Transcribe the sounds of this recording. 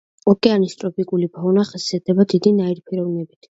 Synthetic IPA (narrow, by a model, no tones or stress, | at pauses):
ɔkʼɛanist̪ʼɾɔpʰikʼulibɔnaχɛsiat̪ʰɛbad̪id̪inaiɾipʰiɾɔvnɛbit̪ʰ